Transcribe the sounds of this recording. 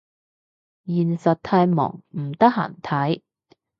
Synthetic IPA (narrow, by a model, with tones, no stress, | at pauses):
jiː˨˩nsɐ˨t̚t̪ʰaː˧jmɔ̰ː˨˩ŋm̩˨˩t̪ɐ˥k̚ha̰ː˨˩nt̪ʰɐ˨˥j